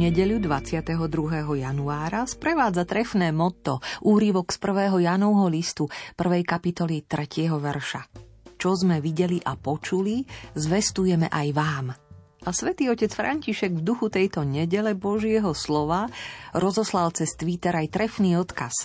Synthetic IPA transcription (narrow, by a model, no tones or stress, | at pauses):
ɲɛɟɛʎud̪ʋat͡sɪat̪ɛɦɔd̪ɾuɦɛːɦɔjanuaːɾaspɾɛʋaːd͡zat̪ɾɛfnɛːmɔt̪ɔʔuːɾiʋɔkspr̩ʋɛːɦɔjaːnɔʊɦɔlist̪upr̩ʋɛjkapit̪ɔlit̪ɾɛcɪɛɦɔʋɛɾʃa | t͡ʃɔzmɛʋiɟɛliʔapɔt͡ʃulizʋɛst̪ujɛmɛ̰ʔajʋaːm | ʔasʋɛt̪iːɔcɛt͡sfɾʔa̰ɲciʃɛɡvd̪uxut̪ɛjt̪ɔɲɛɟɛlɛbɔʒɪɛɦɔslɔʋaɾɔzɔslalt͡sɛst̪ʋit̪ɛɾajt̪ɾɛfniːɔt̪kas